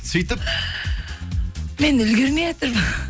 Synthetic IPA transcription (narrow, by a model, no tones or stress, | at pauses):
sijt̪əp̚ | menɪlɡʲɪɾmeet̪ɪɾm